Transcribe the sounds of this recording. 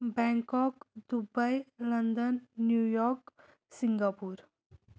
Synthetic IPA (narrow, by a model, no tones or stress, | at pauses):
bɛŋkɔkd̪ubəjlənd̪ənːjujɔk | siŋɡapuɾ